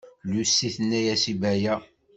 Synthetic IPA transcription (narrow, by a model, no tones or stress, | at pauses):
lusːiθənːæjæsibæjæ